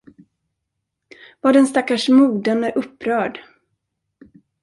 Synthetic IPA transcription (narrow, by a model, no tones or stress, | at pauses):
vaːɖɛnst̪akːaʂmuːd̪ənd̪əʔɵpːɾœːɖ